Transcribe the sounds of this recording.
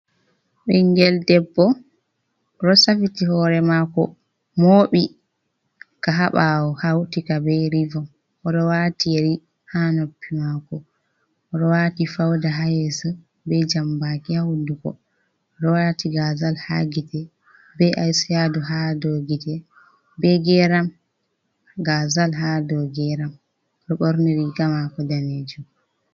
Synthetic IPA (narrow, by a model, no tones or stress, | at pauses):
ɓɛŋɡɛldɛbːɔ | ɾɔsafitihɔɾɛmakɔ̰ | moːɓi | kaɦaɓawɔhawtikabɛɾivɔm | ɔɗɔwatijeɾi | hanopːimakɔ | ɔɗɔwaːtifawdaɦajɛsə | bɛd͡ʒambakihawudukɔ̰ | ɔɗɔwatiɡazalha̰ɡitɛ | bɛʔajsijaduɦadoɡitɛ | bɛɡɛɾam | ɡazalɦadɔɡɛɾam | ɗɔɓɔɾniɾiɡamakɔdaned͡ʒum